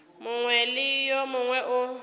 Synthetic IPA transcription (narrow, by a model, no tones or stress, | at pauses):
mʊŋwɛlɪjɔmʊŋwɛʔʊ